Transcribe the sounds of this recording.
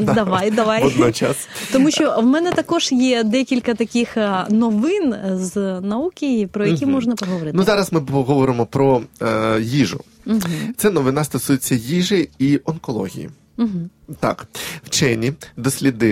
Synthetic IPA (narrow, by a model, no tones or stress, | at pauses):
d̪ɐʋajd̪ɐʋajɔd̪nɔt͡ʃa̰st̪ɔmuʃʲt͡ʃɔwmɛnɛt̪ɐkɔʒjɛd̪ɛkʲilʲkɐt̪ɐkʲixnɔʋɪnznɐukʲɪjipɾɔjɐkʲimɔʒnɐpɔɦɔʋɔɾɪt̪nuzɑɾɐsmɪɔɦɔʋɔɾɪmɔpɾɔ | jiʐʊ̰ | t̪sɛnɔʋɪnɑst̪ɔsujet͡sʲːɐjiʒɪiɔnkɔlˠɔ̰ɦʲḭjḭ | ɦm̩t̪a̰kwt͡ʃɛnʲid̪ɔsʲlʲid̪ɪ